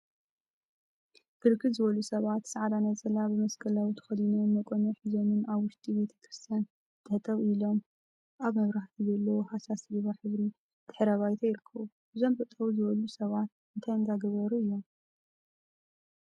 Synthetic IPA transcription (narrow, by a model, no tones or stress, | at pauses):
ɡ̥ɨɾkʰːɨzɨβɐlusɐβat̪sɨʕad̪anɐzʼɐlabɨmɐskʰʼɐlawit̪ʰɨ̥xɐlinumɐkʼonoħɨzomɨnaβwʊʃt̪ʼibe̞t̪ʰɐ̥kɾɨst̪ʰjan | t̪ʰɨħt̪ʰʼɐwilo̞m | ʔaβmɐβɾaħt̪ʰizɐlːɐwohasasliβaħɨβɾi | t̪ʰɨ̥ħɨɾɐβajt̪ʰɐjɪɾɨkʰːɐβu | bɨzo̞mbɨt̪ʼɐwuzɨβɐlusɐβat̪̚ɨnt̪ʰajɨnd̪aɡɐβɐɾuɨjːo̞m